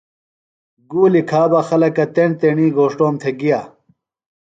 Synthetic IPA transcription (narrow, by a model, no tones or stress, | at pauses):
ɡuːlikʰaːbɐxɐlɐkɐt̪eɳ̚t̪eɳiːɡoːʂʈoːmt̪ʰeɡija